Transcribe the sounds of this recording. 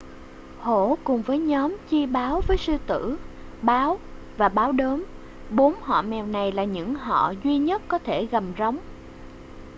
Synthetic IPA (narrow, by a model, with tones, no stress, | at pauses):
ho̰˧˩˨kʊ˨˩ŋ͡mvəː˨˦jɲɔ˨˦mt͡ɕi˧ɓaː˨˦wvəː˨˦jsɨ˧t̪ɨ̰˧˥ɓaː˨˦w | vaː˨˩ɓaː˨˦wɗəː˨˦m | ɓo˨˦nhɔ̰˧˨mɛ˨˩wna˨˩jlaː˨˩ɲɨ̰˧˥ŋɦɔ̰˧˨zwi˧ɲə˦˥t̚kɔ˨˦t̪ʰe˧˩ɣa˨˩m̚zə˨˦wŋ͡m